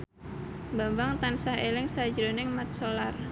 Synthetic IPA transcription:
mbambaŋt̪ansahelɪŋsad͡ʒɾonɪŋmat̪̚solar

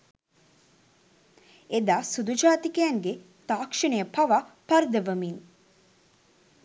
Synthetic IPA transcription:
ed̪aːsud̪ud͡ʒaːt̪ikejaŋɡe | t̪aːkʂənəjəpɐʋapaɾd̪əʋəmin

